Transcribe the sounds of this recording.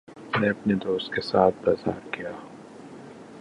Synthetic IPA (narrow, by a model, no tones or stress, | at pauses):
nẽɐpned̪oːst̪̚kesaːt̪̚ʰbaːza̰ːɾkijaː